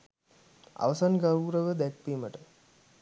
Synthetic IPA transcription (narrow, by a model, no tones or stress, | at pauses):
a̰ʋɐsanɡaɾuːɾəʋəd̪æk̚piːməʈə